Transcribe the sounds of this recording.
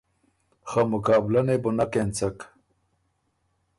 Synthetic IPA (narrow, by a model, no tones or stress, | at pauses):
xamʊkɑːblanebʊnakent͡sak